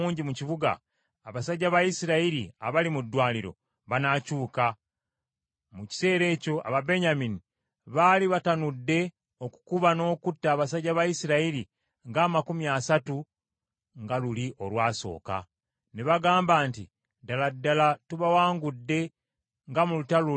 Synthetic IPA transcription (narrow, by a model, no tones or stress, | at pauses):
uːɲɟimuciβuɡa̰ː | βasaɟːaβajisiɾaiɾḭa̰βalimudːwaːliɾo̞̰ | βanacuːka | muci̥se̞ːɾe̞ːco̞a̰βabe̞ɲamini | βaːliβatanudːe̞ | o̞ku̥kuβano̞ːkutːaːβasaɟːaβajisiɾaiɾi | ŋɡaːmakumjaːsatu | ŋɡaluliʔo̞lwaːso̞̰ːka̰ | neβaɡaːmbaːnti | daladːalatuβawaːŋɡudːe̞ | ŋɡamulutalu